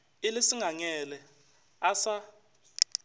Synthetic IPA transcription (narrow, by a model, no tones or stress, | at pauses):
ilisiŋʱaŋɛlɛ | asa